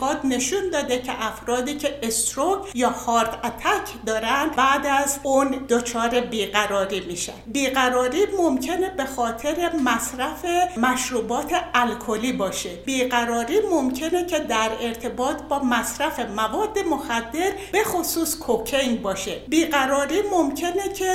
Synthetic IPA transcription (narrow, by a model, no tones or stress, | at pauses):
ɒːd̪ne̞ʃund̪ɒːd̪ecʰḛʔæfɾɒːd̪iːcʰe̞est̪ɾokjɒːhɒːɾt̪æt̪ʰæcʰd̪ɒːɾænd̪bæːd̪æzund̪ot͡ʃʰɒːɾe̞biːɡæɾɒːɾiːmiːʃæ̰nbiːɢæɾɒːɾiːmomcʰene̞be̞xɒːt̪ʰe̞ɾe̞mæsɾæfe̞mæʃɾuːbɒːt̪ʰe̞ælkʰoliːbɒːʃebiːɢæɾɒːɾiːmo̞mcʰe̞ne̞cʰed̪æɾe̞ɾt̪ʰe̞bɒːt̪ʰbɒːmæsɾæfe̞mævɒːd̪ːe̞moxæd̪ːe̞ɾb̥e̞xosuːskʰokʰeŋbɒːʃebiːɢæɾɒːɾiːmo̞mcʰe̞necʲʰe